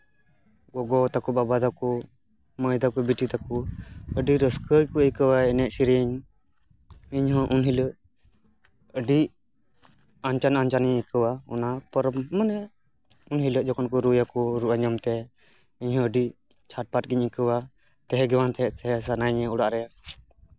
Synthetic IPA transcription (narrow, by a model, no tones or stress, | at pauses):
ɡɔɡɔt̪akɔbabad̪akɔ | məjd̪akɔbiʈit̪akɔəɖiɾəskəjkɔəjkəwaɛnɛʔsiɾiəɲ | iɲɦɔ̃ʔunɦiləʔ | əɖi | ant͡ʃanant͡ʃanɲɛikəwaɔ̰napɔɾmənɛ | unɦiləʔd͡ʒɔkɔnkɔɾujakɔɾuʔaɲəmt̪ɛ | iɲhɔ̃əɖi | t͡ʃʰaʈ̚paʈɡiɲikəwa | t̪ɛɦɛɡɛwant̪ʰɛsɛɦɛsanajɲɛuɽaʔɾɛja